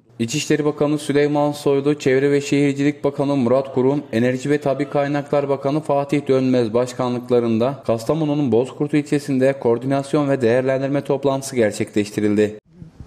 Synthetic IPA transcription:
it͡ʃʰiʃlʲe̞ɾibakʰanɯsylʲejmanso̞jlˠut͡ʃʰɛvɾɛvɛʃe̞hiɾd͡ʒilʲic̚bakʰanɯmuɾat̪kʰuɾume̞næɾʒivɛt̪ʰabikʰːajnaklˠaɾbakʰanɯfaːt̪ʰiçd̪ø̞nmɛzbaʃkʰanlˠɯklˠaɾɯnd̪akʰast̪ʰamonununbo̞zkʰuɾt̪ʰuilʲt͡ʃʰe̞sind̪ɛkʰo̞ɾd̪inasjo̞nvɛd̪e̞jæɾlʲænd̪iɾmɛt̪ʰo̞plˠant̪ʰɯ̥sɯɟæɾt͡ʃʰɛclʲɛʃt̪ʰiɾilʲd̪ɪ

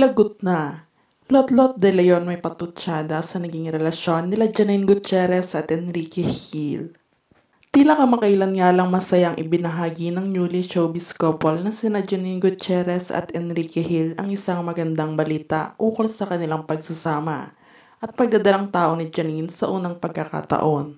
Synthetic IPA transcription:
lɐɡʊt̪̚nɐ | lot̪lot̪̚d̪ɛlɐjonmɐjpɐt̪ʊt͡ʃaːd̪ɐsɐnɐɡiŋɾɛlɐʃjo̞nːɪlad͡ʒɐninɡʊt̪̚t͡ʃɛɾɛsʔɐt̪ɛnɾikɛhil | t̪ilɐkɐmɐkɐʔɪlɐnŋalɐŋmɐsɐjaŋʔɪbɪnɐɦaːɡinɐŋɲuːliʃowbɪskopolnɐsɪnad͡ʒɐninɡʊt̪̚t͡ʃɛɾɛsɐ̰t̪ʔɛnɾiːkɛhilɐ̰ŋʔɪsaŋmɐɡɐnd̪aŋbɐliːt̪a̰ʔʔuːkolsɐkɐnɪlaŋpɐɡ̚sɐsaːmɐ̰ | ʔɐt̪̚pɐɡ̚d̪ɐd̪ɐlaŋt̪aːʔo̞nɪd͡ʒɐninsɐʔuːnɐŋpɐɡ̚kːɐka̰t̪ɐ̰ʔo̞n

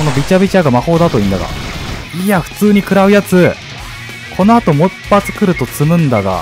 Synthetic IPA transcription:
ko̞no̞bʲit͡ɕabʲit͡ɕaɡamaho̞ːd̪at̪o̞ĩnd̪aɡa̰iaɸɯ̟̥t͡sɨːɲ̟ikɯ̟ɾaɯ̟jat͡sɨ | kʰo̞no̞at̪o̞mopːat͡sɨ̥kɯ̟ɾɯ̟t̪o̞t͡sɨmɯ̟̃nd̪aɡa̰

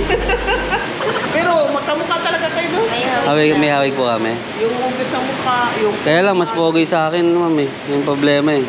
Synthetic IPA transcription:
pɛːɾomɐɡ̚t̪ɐmʊkat̪ɐlɐɡakɐjonohaːwɪmɐjhaːwɪɡ̚pʊkɐmɛ | jʊŋʊɡɪsɐmʊkajʊŋkɐjaːlɐŋmɐspoːɡojsɐʔaːkɪnːmamɛ | jʊŋpɾoblɛːmɐɛ

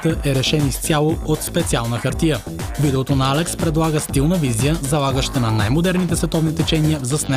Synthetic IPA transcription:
t̪əʔɛɾɛʃɛnist̪jalˠoot̪spɛt̪sialˠnəxɐɾt̪ijə | vid̪ɛot̪onɐalɛkspɾɛd̪lˠaɡəst̪ilˠnəvizijəzɐlˠaɡəʃt̪ənɐnajmod̪ɛɾnit̪ɛsvɛt̪ɔvnit̪ɛt͡ʃɛnijəvzɐsnɛ

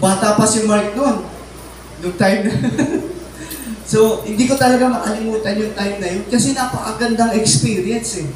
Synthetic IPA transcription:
baːt̪apɐsɪmaɹk̚non | jʊŋt̪ajmnɐ | so̞hɪnd̪iːko̞t̪ɐlɐɡamɐʔɐlɪmuːt̪ɐnjʊŋt̪ajmnɐjonkɐsɛnɐpɐkɐ̰ɡɐnd̪aŋɛkspiːɾjɛnsɛ

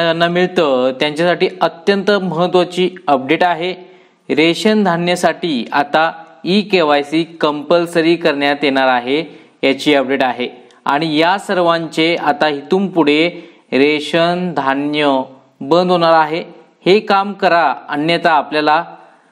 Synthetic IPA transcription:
d͡ʑanːamiɭt̪ət̪jaɲt͡ɕasaʈiːət̪jənt̪əməɦət̪ʋat͡ɕiːəp̚ɖeʈaɦe | ɾeɕənd̪ʱanjəsaʈiːat̪aikeʋajsiːkəmpəlsəɾiːkəɾɳjat̪jeɽ̃aɾaɦe | jat͡ɕiːəp̚ɖeʈaɦe | a̰ɽ̃ijasəɾʋãɲt͡ɕeat̪aɦit̪uːmpuɽ̤e | ɾeɕənd̪ʱanjə | bənd̪ɦoɽ̃aɾaɦe | hekamkəɾaənjət̪aːpljala

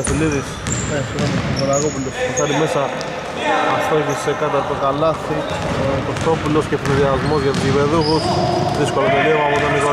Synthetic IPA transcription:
efiliðisnesoɾɐsomonaɣopulostekɐɾime̞sɐː | ft̪oeçisekɐt̪ɐt̪okalɐsi | kost̪o̞puloscefiniðiazmo̞zʝɐt̪iːβe̞ðuxusðisko̞lɐp̪oleɣoapot̪oniɣo

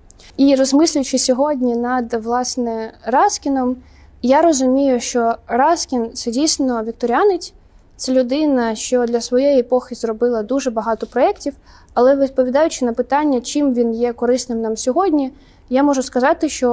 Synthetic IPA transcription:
irɔzmɪsʲlʲʊjʊt͡ʃɪsʲɔɦɔdʲnʲinɐd̪ʋlˠɑsnɛrɑskʲinɔm | jaɾɔzʊmʲijʊʃt͡ʃɔrɑskʲint̪sɛdʲijsʲnɔʋʲik̚t̪ɔɾʲanɪt͡sʲ | t̪sɛlʲʊd̪ɪnɐʃt͡ʃɔd̪lʲɐsʋɔjejiepɔxʲizrɔbɪlˠɐd̪uʒɛbɐɦɑt̪ɔpɾɔɛktʲiw | ɐlˠɛʋʲit̪̚pɔʋʲid̪ɑjʊt͡ʃɪnɐpɪt̪ɑnʲːɐt͡ʃɪmʋʲinjɛkɔɾɪsnɪmnɑmsʲɔɦɔdʲnʲi | jamɔʒʊskɐzɑt̪ɪʃt͡ʃɔ

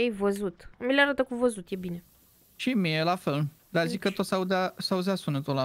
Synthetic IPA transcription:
ejvəzut̪mileaɾat̪əkuvəzut̪jebine | ʃimielafel | d̪azikːət̪ot̪saud̪asauzasunət̪ola

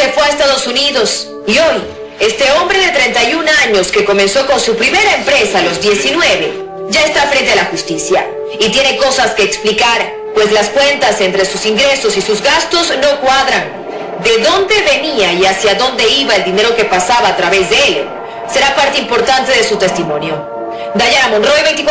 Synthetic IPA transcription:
efweaest̪aðo̞suniðo̞s | io̞j | e̞st̪e̞o̞mbɾe̞ðe̞t̪ɾe̞nt̪ajunaɲo̞ske̞ko̞mẽ̞nso̞ko̞nsupɾime̞ɾaempɾe̞salo̞zd̪je̞sinwe̞βe̞ | ɟ͡ʝaest̪afɾe̞nt̪e̞alaxust̪isja̰ | it̪je̞ne̞ko̞saske̞ːksplikaɾ | pwe̞slaskwe̞nt̪ase̞nt̪ɾe̞susiŋɡɾe̞so̞sisuzɣast̪o̞zno̞kwaðɾan | d̪e̞ðo̞nd̪e̞βe̞niaiasjaðo̞nd̪e̞iβaeld̪ine̞ɾo̞ke̞pasaβaːt̪ɾaβe̞zðeel | se̞ɾapaɾt̪eimpo̞ɾt̪ant̪e̞ðe̞sut̪e̞st̪imõ̞njo̞ | d̪aʝaɾamonroeβe̞jnt̪ik

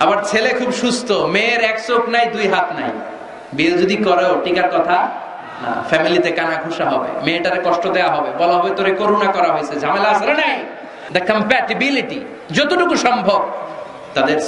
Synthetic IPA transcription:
abaɾt͡ɕʰelekʰubʃust̪ʰomeɾɛksoknajd̪ujɦat̪ʰna̰j | bied͡ʒod̪ikɔɾeoʈikaɾkɔt̪ʰa | a̰fʰɛmilit̪ekanaɡʱuʃaɦɔbḛmeʈaɾekɔʃʈɔd̪eaɦɔbebɔlaɦɔbet̪oɾekoɾunakɔɾaɦojsʰed͡ʒʱamelasaɾnaj | d̪akɔmpɛʈibiliʈi | d͡ʒot̪oʈukuʃɔmbʱɔb̚ | t̪ad̪eɾ

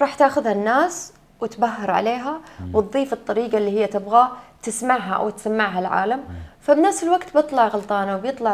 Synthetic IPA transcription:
ɾˤɑːħt̪aːxʊðhanːaːs | wɪt̪baɦːɑɾˤʕa̰leːɦawt̪ˤðˤːiːfɨt̪ˤːɑɾiːɡɑlːiːhɪjːat̪ɪbɣat̪ɪsmaʕɦaʔa̰wt̪samːaʕɦalʕa̰ːlamfabnafsɪlwaɡt̪bɨt̪ˤlɑʕɣɑlt̪ˤɑːnawbjɨt̪ˤlɑʕ

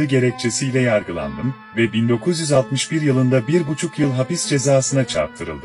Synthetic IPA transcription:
ɯɟe̞ɾɛc̚t͡ʃʰe̞sijlʲɛjaɾɡɯlˠa̰nd̪ɯm | vɛbind̪o̞kʰuzjyzalˠt̪mɯʃbiɾjɯlˠɯnd̪abiɾbut͡ʃʰukjɯlˠɦapisd͡ʒe̞zaːsɯnat͡ʃʰa̰ɾp̚t̪ʰɯɾɯ̰lˠd̪ɯ

